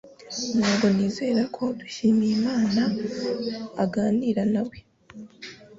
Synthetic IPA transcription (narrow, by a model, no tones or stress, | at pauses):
maːβo̞niːze̞ːɾakʰo̞du̥ʃimiːmaːnaː | ɡaːniːɾanaβwe̞